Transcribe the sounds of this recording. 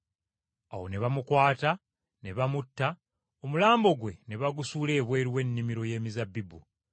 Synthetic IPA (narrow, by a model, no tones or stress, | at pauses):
awo̞̰ne̞βamukwaːta | ne̞βamutːa | o̞mulaːmbo̞ɡwe̞ne̞βaɡusuːle̞ːβwe̞ːɾiwe̞nːimiɾo̞je̞ːmizabːibu